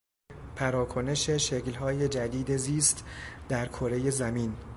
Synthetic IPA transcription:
pʰæɾɒːkʰo̞ne̞ʃeʃeklɦɒːje̞d͡ʒæd̪iːd̪eziːst̪d̪̥æɾkʰoɾe̞je̞zæmiːn

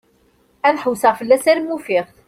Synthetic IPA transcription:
æðħəwsəʁfəlːæsæɾmːufɪʁθ

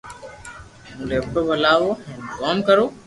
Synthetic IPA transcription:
ũːleːpʈoːbʱəlaːʋoːɛ̃ːkɔːmkəɾoː

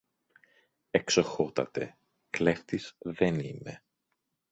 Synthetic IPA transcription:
e̞ksoxo̞t̪ɐ̰t̪e̞̰ | kle̞ft̪izðe̞nime̞

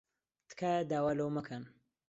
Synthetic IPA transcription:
t̪kʰaːjad̪aːwaːlɐwmɐkʰɐn

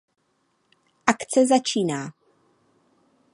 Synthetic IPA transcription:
ʔakt͡sɛzat͡ʃiːnaː

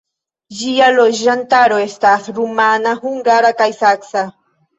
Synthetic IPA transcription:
ʒijalosʒant̪aɾoest̪asɾumanahʊŋɡaɾakajsaksa

